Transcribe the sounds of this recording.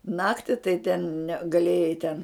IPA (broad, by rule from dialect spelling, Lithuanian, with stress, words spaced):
ˈnɑːktʲɪ tɐɪ tʲɛn nʲɛ ɡɐˈlʲeːjɛɪ tʲɛn